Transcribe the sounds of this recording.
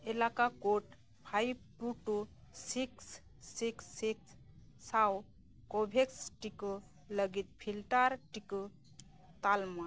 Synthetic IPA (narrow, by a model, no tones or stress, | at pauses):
elakakoʈ | pʰaib̚puʈusiksː | iksːiksː | aw | kobʱeksʈiku | ləɡit̪̚pʰilʈaɾʈiku | t̪alma